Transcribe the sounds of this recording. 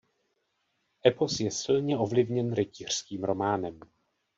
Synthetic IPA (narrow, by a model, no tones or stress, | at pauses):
ʔɛpo̞sjɛsɪlɲɛo̞vlɪvɲɛnɾɛciːr̝̥skiːmɾo̞maːnɛm